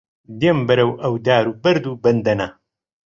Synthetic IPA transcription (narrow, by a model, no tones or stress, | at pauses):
d̪eːmbɐɾɐwʔɐwd̪aːɾuːbɐɾd̪uːbɐnd̪ɐna